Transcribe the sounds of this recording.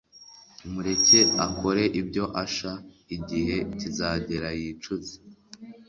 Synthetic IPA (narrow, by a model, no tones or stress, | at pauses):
umuɾe̞ce̞ako̞ɾe̞ʔibɟo̞ʔaʃa | iɟihe̞tizaːɟe̞ɾajit͡ʃuze